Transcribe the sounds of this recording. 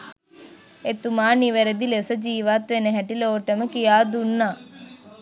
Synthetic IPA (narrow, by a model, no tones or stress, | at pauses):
et̪umaːniʋɐɾɐd̪ilesɐd͡ʒiːʋaːt̪ʋenɐɦɐʈiloːʈɐmɐkijaːd̪unːa